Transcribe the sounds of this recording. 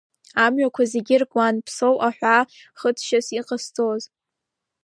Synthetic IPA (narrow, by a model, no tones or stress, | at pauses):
amɥakʷʰazeɡʲɪrkʷʼanpʰsowʔaħʷᶣa | χətʰʃasiqʼəstʼoz